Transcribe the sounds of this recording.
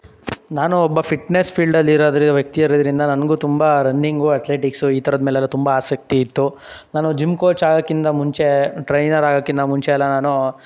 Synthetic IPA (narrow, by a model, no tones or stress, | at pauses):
naːnuɔbːɐpʰiʈnespʰiːɭɖɐlːiɾoːd̪ɐɾiʋjɐk̚t̪ijɐɾɐd̪ɐɾind̪ɐnɐnɐɡuːt̪umbɐɾɐnːiŋɡuɐʈ̪leːʈiksuiːt̪ʰɐɾɐd̪meːlɛːlːɐt̪umbɐaːsɐk̚t̪iːt̪ːu | naːnud͡ʒimkoːt͡ʃaːɡoːkːind̪ɐmuɲt͡ʃe̞ʈɾɐjnɐɾaːɡoːkːind̪ɐmuɲt͡ʃeɛlːɐnaːnu